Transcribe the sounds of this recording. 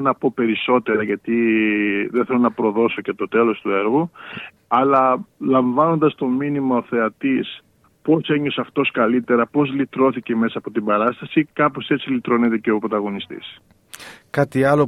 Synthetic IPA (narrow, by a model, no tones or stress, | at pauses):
nɐpo̞pe̞ɾiso̞t̪e̞ɾɐʝɐt̪i | ðenθelonɐpɾo̞ðo̞so̞cet̪o̞t̪e̞lo̞st̪ue̞ɾɣu | ɐlɐlɐɱvɐno̞nd̪ɐst̪o̞minimɐo̞θe̞ɐt̪is | po̞se̞ɲo̞sɐft̪o̞skɐlit̪e̞ɾɐpo̞zlit̪ɾo̞θiceme̞sɐːpo̞t̪ibɐɾɐst̪ɐsikɐpose̞t͡silit̪ɾo̞net̪eceopɾot̪ɐɣo̞nist̪ḭs | kɐt̪iɐlo